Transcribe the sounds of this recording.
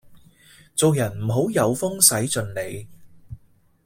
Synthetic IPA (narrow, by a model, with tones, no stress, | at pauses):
t͡so˨wjɐ˨˩nm̩˨˩ɦo˨˥wjɐ˨˧wfʊ˥ŋsɐ˨˥jt͡sɵ˨nle˨˧j